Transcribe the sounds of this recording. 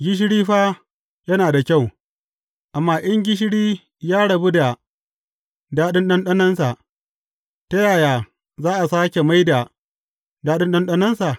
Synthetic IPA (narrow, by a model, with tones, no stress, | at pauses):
ɡʲɪ˦ʃ̬ɪ˦ɽiː˦ɸaː˦ | jɐ˦naː˨da˨kʲa˦˨w | ʔa˨mːaː˦ʔɐ˦ŋɡʲɪ˦ʃ̬ɪ˦ɽiː˦ | jaː˦ɽɐ˨bu˦da˨ | daː˦ɗɪ˦nɗɐ˦nɗɐ˦nɐ˦nsa˨ʔ | ta˦jaː˨jaː˨ | zaː˦ʔa˨saː˦kʲe˨ma˦jda˨ | daː˦ɗɪ˦nɗɐ˦nɗɐ˦nɐ˦nsa˨